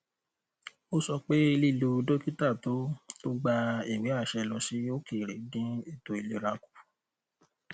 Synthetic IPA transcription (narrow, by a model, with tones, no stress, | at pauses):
o˦sɔ˧k͡pe˦i˧li˦˨lu˧do˦ki˦ta˦˨to˦o˦ɡ͡ba˧i˨wĩ˨˦a˦˨ʃɛ˧lɔ̃˧si˦o˦ki˦˨ɾe˨˦dĩ˦i˦˨to˧i˨le˨˦ɾa˧ku̥˨˦˨